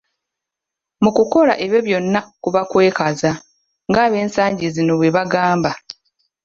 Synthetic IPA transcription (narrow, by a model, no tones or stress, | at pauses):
mukuko̞laʔeβje̞βjo̞nːakuβakwe̞ːkaza | ŋɡaːβe̞ːnsaːɲɟizino̞βwe̞βaɡaːmba